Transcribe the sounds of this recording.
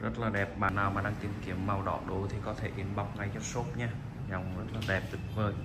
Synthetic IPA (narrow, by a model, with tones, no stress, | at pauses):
zə˦˥t̚laː˨˩ɗɛ˨˩p̚ɓaː˨˩nːaː˨˩wmaː˨˩ɗaː˧ŋt̪i˨˩mki˨˦əmːa˨˩wɗɔ̰˧˨ɗo˨˦t̪ʰi˨˩kɔ˨˦t̪ʰe˧˩ɗe˨˦nɓa˨˩wk͡p̚ŋa˧jzə˦˥t̚so˦˥t̚ɲaː˧ | za˨˩wŋ͡mzə˦˥t̚laː˨˩ɗɛ˨˩p̚t̪ɨ˨˩k̚vəː˨˧˩j